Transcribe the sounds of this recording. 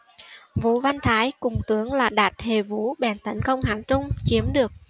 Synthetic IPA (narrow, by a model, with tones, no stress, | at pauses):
vṵ˧˥˦va˧nt̪ʰaː˨˦jkʊ˨˩ŋ͡mt̪ɨ˨˦əŋlaː˨˩ɗaː˨˩t̚he˨˩vṵ˧˥ɓɛ˨˩nt̪ə˨˦n̟kə˧wŋ͡mɦaː˧˩˦nt͡ɕʊ˧ŋ͡mt͡ɕi˨˦əmɗɨ˨˩ək̚